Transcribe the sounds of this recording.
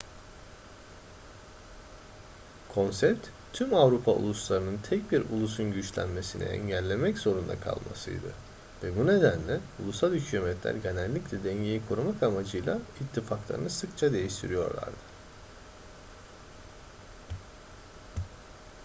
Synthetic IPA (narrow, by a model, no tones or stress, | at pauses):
kʰo̞nsɛpt̪ | t̪ʰːymavɾupʰaṵlˠuslˠaɾɯnɯnt̪ʰɛc̚biɾṵlˠusunɟyt͡ʃlʲæ̰nme̞sinḭɛ̰ɲɟælʲːe̞mɛcz̥o̞ɾund̪a̰kʰa̰lˠma̰sɯ̰jd̪ɯ̰ | vɛbune̞d̪ænlʲɛulˠusalˠhycʰymɛt̪lʲæ̰ɾɟe̞nælʲːiclʲɛd̪ɛɲɟejikʰoɾumakamad͡ʒɯjlˠa̰it̪ʰːifaklˠa̰ɾɯ̰nɯsɯkt͡ʃʰad̪e̞jiʃt̪ʰiɾijo̞̰ɾlˠa̰ɾd̪ɯ̥